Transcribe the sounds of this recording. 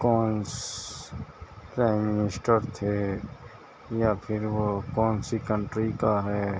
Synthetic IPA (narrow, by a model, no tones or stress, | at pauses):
kɔːns | pɾaːɪmːɪnɪsʈəɾt̪ʰe | japʰɪɾʋokɔːnsikəɳʈɾikaɦɛː